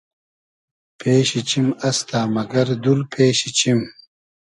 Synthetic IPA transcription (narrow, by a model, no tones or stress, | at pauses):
pʰeːɕit͡ɕimɐst̪aːmɐɡɐɾd̪ulpʰeːɕit͡ɕim